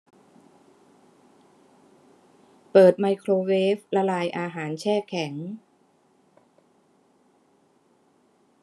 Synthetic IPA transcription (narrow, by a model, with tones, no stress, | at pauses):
pɤː˨˩t̪̚ma˧jkʰɾoː˧weː˦˥f̚la˧laː˧jʔaː˧ɦaː˩˦nt͡ɕʰɛː˥˩kʰɛ˩˦ŋ